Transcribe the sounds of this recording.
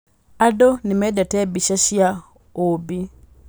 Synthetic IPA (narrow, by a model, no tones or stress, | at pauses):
adonimedatebiʃaɕja | obi